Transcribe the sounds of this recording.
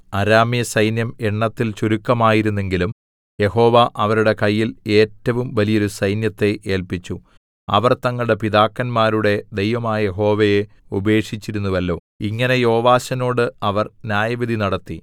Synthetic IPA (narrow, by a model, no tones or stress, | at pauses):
ɐɾaːmijɐsɐjnjɐmeɳːɐt̪ːilt͡ɕuɾukːɐmaːjiɾunːe̞ŋɡilum | je̞ɦo̞ːʋaʔɐʋɐɾuɽe̞kɐjːile̞ːtːɐʋumʋɐlijo̞ɾusɐjnjɐt̪ːe̞ʔe̞ːlpit͡ɕːu | ɐ̰ʋɐrt̪ɐŋːɐɭɽe̞pid̪aːkːɐnmaːɾuɽe̞d̪e̞jʋɐmaːjɐje̞ɦo̞ːʋeje | ube̞ːkʂit͡ɕːiɾunːuʋɐlːo̞̰ː | iŋːɐne̞jo̞ːʋaːɕɐno̞ːɽɨɐʋɐrnjaːjɐʋid̪ʱinɐɽɐt̪ːi